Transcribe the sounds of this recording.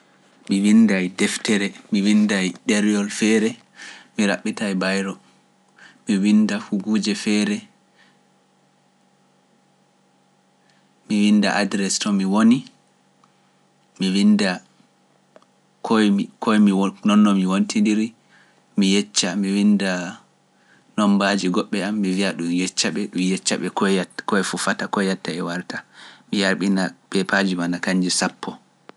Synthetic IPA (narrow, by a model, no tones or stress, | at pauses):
miwindajdɛftɛɾɛmiwindajɗɛɾjɔlfɛɾɛ | miɾa̰ɓːitajbajɾɔ | miwindafuɡuːd͡ʒɛfɛɾɛ | miwinda̰ʔadɾɛstɔmiwoni | miwinda | kʰɔkʰɔjminɔnːɔmiwontindiɾi | mijɛt͡ʃːamiwinda | nɔmbad͡ʒiɡɔɓːɛamːiviaɗumjɛt͡ʃːaɓɛɗumjɛt͡ʃːaɓɛkɔkɔɛfufatakɔjatːaɛwaɾtamijaɾɓinapɛpʰad͡ʒimanakaɲd͡ʒisapːɔ